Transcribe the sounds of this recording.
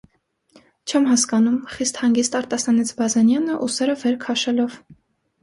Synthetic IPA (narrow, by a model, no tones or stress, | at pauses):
t͡ʃʰɛmɦɑskɑnumχist̪hɑŋɡist̪ɑɾt̪ɑsɑnit͡sʰbɑzɛnjɑnəʔusɛɾəvɛɾkʰɑʃɛlɔv